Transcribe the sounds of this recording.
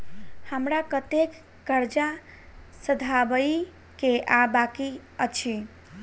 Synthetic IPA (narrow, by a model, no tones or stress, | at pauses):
həmɾakət̪ek | ɡəɾd͡ʒa | səd̪ʱabəji | keʔabakiət͡ʃʰi